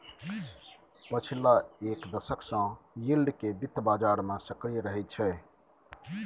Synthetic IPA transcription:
pət͡ʃʰilaeːkd̪əsəksãjilɖkebɪt̪ʰːbaːd͡ʒaːɾmẽsəkɾijɾəɦɛt̪̚t͡ʃʰɛ

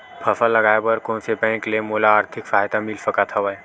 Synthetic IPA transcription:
pʰɐfəlɐɡaːebɐɾkõːnsepɛ̃ːklemoːlaːɾt̪ʰɪkfaːjt̪amɪlsɐkat̪ʰaʋae

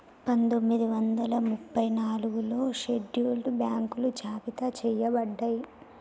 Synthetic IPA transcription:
pɐnd̪o̞mːid̪iʋɐnd̪ɐlɐmupʰːɐjnaːluɡulo̞ːʃeɖjuːlʈbjaːŋkulud͡ʒaːpit̪ɐt͡ʃɛjɐbɐɖːɐji

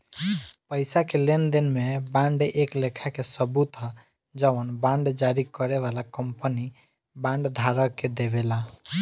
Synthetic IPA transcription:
pəɪsakelend̪inmebãɳɖʔeklekʰakesəbut̪a | d͡ʒəənbãɳɖd͡ʒaɾikəɾeʋalakəmpəni | bãɳɖd̪ʱaɾəked̪eβela

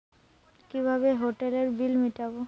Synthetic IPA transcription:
kibʱabeɦoʈeleɾbilmiʈabo

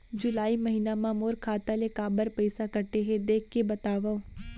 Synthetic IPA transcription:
d͡ʒʊlaːimɐɦiːnamãmoːɾkʰaːt̪alekaːbəɾpɐɪsakɐɾʈeɦɛ̃d̪eːkʰːebɐt̪aːʋaõ

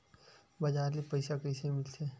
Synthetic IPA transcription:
bɐd͡ʒaːɾlipɐɪsakəɪsemɪlsʰeː

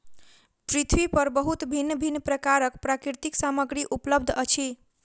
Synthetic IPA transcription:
pɾit̪ʰwipəɾbəɦut̪bʱinːbʱinːpɾəkaɾəkpɾakiɾt̪iksaməɡɾiʔupləb̚d̪ʱət͡ʃʰi

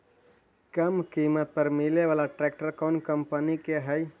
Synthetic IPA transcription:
kəmkimət̪̚pəɾmileʋalaʈɾɛk̚ʈəɾkɔnkəmpənikeɦəj

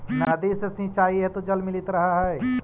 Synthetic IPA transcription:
naːd̪isesĩt͡ʃaːiɦɛt̪od͡ʒɐlmɪlɪt̪ɾɐɦaɦɛː

